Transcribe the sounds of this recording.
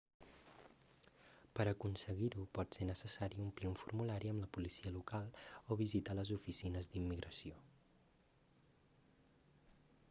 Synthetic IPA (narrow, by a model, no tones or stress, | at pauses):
pəɾəkunsəɣiɾupɔt̪senəsəsaɾiumpliuɱfuɾmulaɾiəmləpulisiəlukalˠɔβizit̪aləzufisinəzd̪imːiɣɾʔəsio